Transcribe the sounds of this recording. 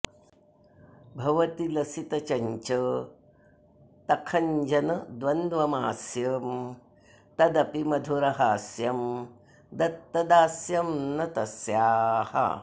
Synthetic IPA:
bʱɐʋɐt̪ilɐsit̪ɐt͡ʃɐɲt͡ʃɐ | t̪ɐkʰɐɲd͡ʒɐnɐd̪ʋɐnd̪ʋɐmaːsjɐm | t̪ɐd̪ɐpimɐd̪ʱuɾɐɦaːsjɐm | d̪ɐt̪ːɐd̪aːsjɐmnɐt̪ɐsjaːhɐ̰

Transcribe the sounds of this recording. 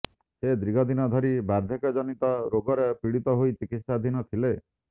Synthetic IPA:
sed̪ɾiɡʱɔd̪inɔd̪ʱɔɾibaɾd̪ʱjɔkɔd͡ʒɔnit̪ɔɾoɡɔɾepiɽit̪ɔɦojt͡ʃikit̪sad̪ʱinɔt̪ʰile

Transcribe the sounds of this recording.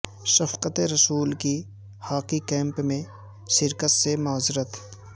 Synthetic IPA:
sɐfqət̪eɾɐsuːlki | haːqikɛ̃ːmpmẽ | ʃɪɾkət̪semaːzɪɾət̪

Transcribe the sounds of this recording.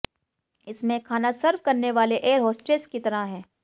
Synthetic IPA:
ɪsmẽkʰaːnasɐɾʋkɐɾneʋaːleʔeːəɾɦɔːsʈeːskit̪ɐɾaɦɛ̃ː

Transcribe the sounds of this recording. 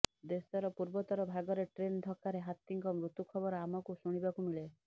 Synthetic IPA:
d̪esɔɾɔpuɾbɔt̪ɔɾɔbʱaɡɔɾeʈɾend̪ʱɔkaɾeɦat̪iŋkɔmɾut̪ukʰɔbɔɾɔamɔkusuɽ̃ibakumiɭe

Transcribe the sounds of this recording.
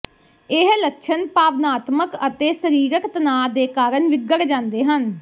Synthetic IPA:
ɪɦləkʃʰənpaːbnaːt̪məkət̪eːsəɾiːɾəkt̪ənaːd̪eːkaːɾəɳʋɪɡəɾd͡ʒãːnd̪eːɦən

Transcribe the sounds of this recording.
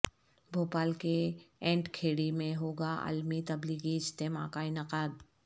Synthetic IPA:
bʱoːpaːlkeɛ̃ːɳʈkʰeːɽimẽɦoːɡaə̰lmit̪ɐblikiɪst̪eːma̰kaɪnɐqaːd̪

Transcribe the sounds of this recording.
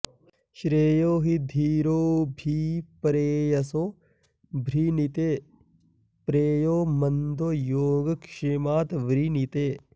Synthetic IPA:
ʃɾeːjoːɦid̪ʱiːɾoːbʱipɐɾeːjɐsoː | bʱɾinit̪eː | pɾeːjoːmɐnd̪oːjoːɡkʂemaːt̪ʋɾinit̪eː

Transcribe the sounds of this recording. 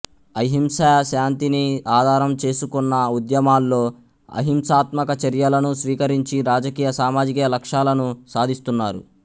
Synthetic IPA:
ɐɦimsɐɐʃaːnt̪iniaːd̪ʱaːɾɐmt͡ʃe̞ːsukunːɐud̪jɐmaːlːo̞ː | ɐ̰ɦimsaːt̪mɐkɐt͡ʃɐɾjɐlɐnusʋiːkɐɾiɲt͡ʃiɾaːd͡ʒɐkiːjɐsaːmaːd͡ʒikijɐlɐkʂaːlɐnusaːd̪ʱist̪unːaːɾṵ

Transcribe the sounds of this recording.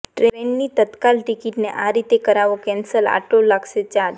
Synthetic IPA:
ʈɾeenːit̪ət̪kalʈikiʈneʔaɾit̪ekəɾaʋokɛnsəla̰ʈolaɡʃet͡ʃaɾ

